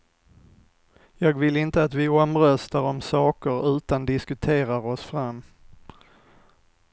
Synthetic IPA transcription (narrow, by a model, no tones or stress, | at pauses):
jɑːɡvɪlɪnt̪əat̪vɪɔmɾœst̪aɾɔmsɑːkəɾʉ̟ːt̪and̪ɪskɵt̪ʰeːɾaɾɔsfɾamː